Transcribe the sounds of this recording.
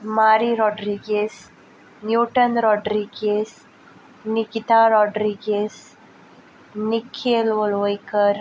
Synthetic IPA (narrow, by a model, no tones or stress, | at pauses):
maːɾiɾɔːɖɾiːɡes | njuːʈɐnɾɔːɖɾiɡes | nikit̪aːɾɔːɖɾiːɡes | nikʰːeːlʋolʋojkəɾ